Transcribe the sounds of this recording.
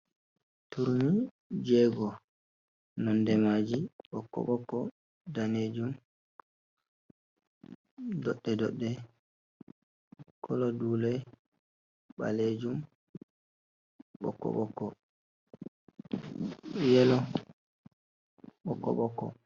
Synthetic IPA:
tuɾmi | d͡ʒɛɡɔ | nɔndɛmad͡ʒiɓɔkːɔ̰ɓɔkːɔ | daned͡ʒum | dɔɗːɛdɔɗːɛ | kʰɔlɔduːlɛ | ɓa̰led͡ʒum | ɓɔ̰kːɔ̰ɓɔkːɔ | jɛlɔ | ɓɔkːɔ̰ɓɔkːɔ

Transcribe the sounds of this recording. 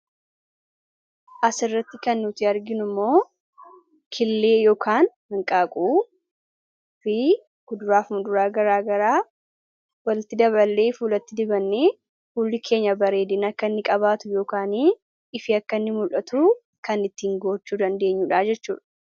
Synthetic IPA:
ʔɐsɪrːɐt̪ːɪkɐnːʊt̪ɪɐɾɡɪnʊmːo̞ː | kʰɪlːe̞ːjo̞ːkaːnhɐŋkʼaːkʼuː | fɪ | ɡ̥ʊd̪ʊɾaːfmʊd̪ʊɾaːɡɐɾaːɡɐɾaː | wɐlɪt̪ːɪd̪ɐβɐlːeːfuːlɐt̪ːɪd̪ɪbɐnːeː | fuːlːɪkʰe̞ːɲːɐbɐɾe̞ːd̪ɪnɐkːɐnːɪkʼɐβaːt̪ʊjo̞ːkaːniː | ɪfɪɐkːɐnːɪmʊlʔɐt̪ʊʊ | kɐnɪt̪ːiːŋɡo̞ːt͡ʃːuːd̪ɐnd̪e̞ːɲːuːᶑaːd͡ʒɛt͡ʃːuːᶑɐ̥

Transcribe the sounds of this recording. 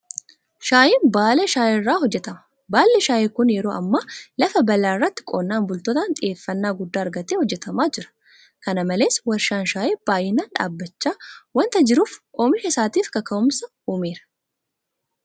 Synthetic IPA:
ʃaːjɪnbaːlɛʃaːjɪrːaːɦɔd͡ʒːɛt̪ɐmɐ̥ | baːlːɛʃaːʔekʊnjɛɾo̞ːʔɐmːaːlɐfɐbɐlaːɪrːɐt̪ːɪ̥kʼoːnːaːnbʊlt̪oːt̪ɐnt̪ʼɪʔe̞ːfːɐnːaːɡʊd̪ːaːɐɾɡɐt̪eːhɔd͡ʒːɛt̪ɐmaːd͡ʒɪɾɐ̥ | kɐnɐmɐle̞ːswɐɾʃaːnʃaːʔeb̥aːjɪnaːnᶑa̰ːbːɐt͡ʃːaːwɐnt̪ɐd͡ʒɪɾuːfʔoːmɪʃɐsaːt̪iːfkɐkɐʔʊmsɐ | uːmeːɾɐ̥

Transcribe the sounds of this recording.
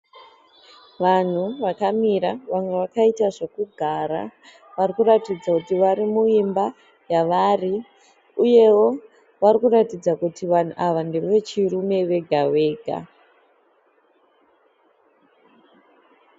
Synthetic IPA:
ʋan̤uʋakamiɾaʋamwe̞ʋakaitaʐekuɡʱaɾa̰ | ʋarikuɾatid͡zakutiʋaɾimuimba | jaʋaːri | uje̞wo̞ | ʋaɾikuratid͡zakutiʋan̤uʔaʋandeʋe̞t͡ʃirume̞ʋe̞ɡʱaweːɡʱa̰

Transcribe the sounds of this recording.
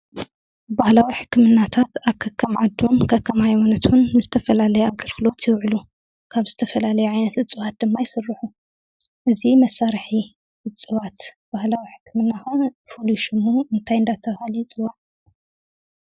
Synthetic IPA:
bahlawiħɨ̥kːɨmɨnːat̪ʰat̪aβkʰɐkʰːɐmʕad̪ːomkʰɐkʰːɐmhajwɐnɐt̪ʰunːɨzɨt̪ʰɐfɐlalɐjɛaɡɨlxɨlo̞t̪ʰjɪwʕlu | kʰaβzɨt̪ʰɐfɐlalɐjuʕajnɐt̪ɨt͡sʼɨwat̪̚d̪ɨmːajɪsɨrːɨħu | ʔɨzimɐsːaɾħi | ɨt͡sʼɨwat̪ | b̥ahlawiħɨ̥kʰːɨmɨnːaxɐnfɨluʃɪmuʔɨnt̪ʰajɨnd̪at̪ʰɐhalit͡sʼɨwaʕ

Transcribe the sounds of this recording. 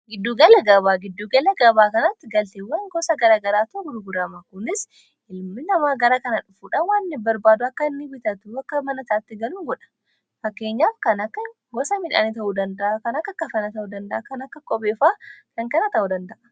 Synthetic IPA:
ɡɪd̪ːuːɡɐlɐɡɐβaːɡɪd̪ːuːɡɐlɐɡɐbaːkɐnɐt̪ːɪɡɐlt̪ewɐŋɡɔsɐɡɐɾaːɡɐɾaːt̪ʊɡʊɾʊɡʊɾɐmakʊnɪs | ɪlmɪnɐmaːɡɐɾaːkɐnɐᶑʊfuːᶑawaːnːɪbɐɾbaːd̪ʊɐkːɐɪnːɪbɪt̪ɐt̪ʊɐkːɐmɐnɐtaːt̪ːɪɡɐluŋɡɔᶑɐ̥ | fɐkːe̞ːɲːaːfkɐnɐkːɐ | ɡɔsɐmɪᶑa̰ːnɪt̪ɐhuːd̪ɐnd̪ɐʔakɐnɐkːɐkːɐfɐnɐt̪ɐhuːd̪ɐnd̪ɐʔakɐnɐkːɐkʼɔbeːfaːkɐŋkɐnɐt̪ɐʔud̪ɐnd̪ɐʔɐ̥

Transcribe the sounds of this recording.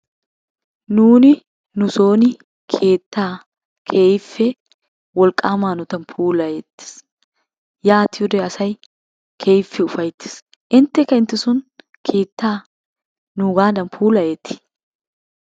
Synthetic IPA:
nuːnɪ | nʊsoːnɪ | kʰe̞ːt̪ːaː | kʰeːɪfːɛ | wɔlkʼaːmaːnʊt̪ɐnpʰuːlɐjɛt̪ːɪ̥s | jaːt̪ɪʊdɛɐsɐj | kʰeːɪfːɛʊfɐjt̪ːɪ̥s | ʔɪnt̪ɛkɐɪnt̪ɪsʊn | kʰe̞ːt̪ːaː | nʊɡaːd̪ɐmpʰuːlɐjɛt̪ːɪ̥

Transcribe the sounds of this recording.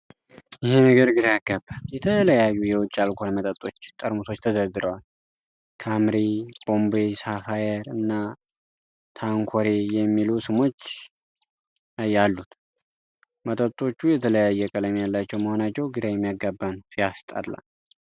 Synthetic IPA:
jɪhenəɡəɾɡɨd̪ajaɡːabːanjɛt̪ʰələjajːujɛwʊt͡ʃʼːalkʰʷonmət̪ʼət̪ʼːo̞t͡ʃːt̪ʼəɾmuso̞t͡ʃːt̪ʰəzəɡɨɾəwal | kʰamɾib̥o̞mbesafajɛɾɨnːa | t̪ʰaŋkʰoɾejɛmːilusɨmo̞t͡ʃː | jalːut̪ | mət̪ʼət̪ʼːo̞t͡ʃːujɛt̪ʰələjajːɛkʼələmjalːat͡ʃːɛwməho̞nat͡ʃːɛwɡɨd̪ajɛmːijaɡabːansijast̪ʼə̰ɾla̰l

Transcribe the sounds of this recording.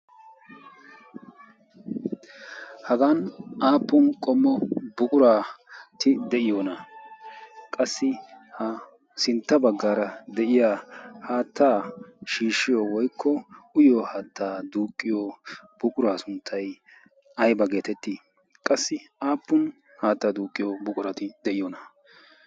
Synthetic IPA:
hɐɡanaːpːʊnkʼɔmːɔbʊkʼʊɾaːt̪ɪd̪ɛʔɪjoːnɐ | kʼɐsːɪhɐ | sɪnt̪ːɐbɐɡːaːɾɐd̪ɛʔɪjaːhaːt̪ʰːaːʃiːʃːɪjɔwɔjkʰːɔʊjoːhaːt̪ːaːd̪uːkʼːɪjob̥ʊkʼʊɾaːsʊnt̪ʰːɐj | ɐjbɐɡe̞ːt̪ɛt̪ːi | kʼɐsːɪaːpːʊn | haːt̪ːaːd̪uːkʼːɪjobʊkʼʊɾɐt̪ɪd̪ɛʔɪjɔnɐ

